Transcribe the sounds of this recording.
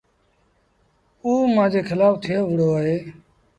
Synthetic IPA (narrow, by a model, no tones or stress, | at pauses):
uːmãːd͡ʒeːkʰɪlaːft̪ʰɪjoːʋəɽoːaːɦeː